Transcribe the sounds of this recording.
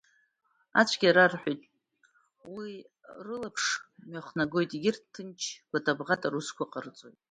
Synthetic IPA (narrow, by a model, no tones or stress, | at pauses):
a̰t͡ʃʷʰɡʲaɾarħʷᶣojtʼ | wi | rɨlapʰʂmaχnaɡo̞jtʼiɡʲɪrtʰːɨnt͡ʃʰɡ̥ʷatʰʼabʁatʼaɾuskʷʰaqʼərt͡sʼojtʼ